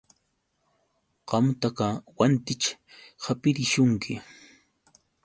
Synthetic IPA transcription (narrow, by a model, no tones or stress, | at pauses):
qɑmt̪akawant̪ɪt͡ʃ | hapɪɾɪʃʊŋkʰɪ